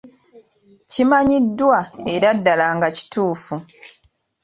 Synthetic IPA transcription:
cimaɲidːwae̞ɾadːalaːŋɡaci̥tuːfu

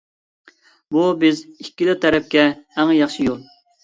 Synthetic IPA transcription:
bubɪzikʲːid̪ɪt̪ʰɛɾɛp̚kʲɛæŋjɑχʃijolˠ

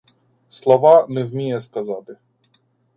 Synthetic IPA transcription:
slˠɔʋɑnɛwʲmʲijɛskɐzɑt̪ɪ

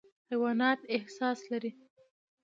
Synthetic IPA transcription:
hawɑnɑt̪ɪhsɑslaɾi

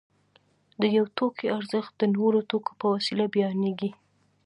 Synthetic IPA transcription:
d̪əjawt̪okʰeaɾzəxt̪̚d̪ənoɾot̪oko̥pəwasilabjɑneɡi

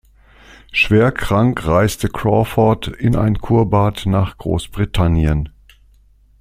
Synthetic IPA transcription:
ʃv̥eːɐkʁ̥aŋkʁ̥aɪstəkʰʁ̥ɔfɔtɪnʔa̰ɪnkʰuːɐbaːtnaːχɡ̥ʁo̰ːsb̥ʁitʰanjən

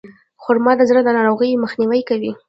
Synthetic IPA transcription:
xʊɾmɑd̪əzɾəd̪ənɑɾoɣəjməxniwəjkawi

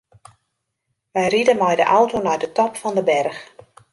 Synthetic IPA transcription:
ʋɛjridəmɛjdəʔawtonɛjdətɔpfɔndəbɛrx

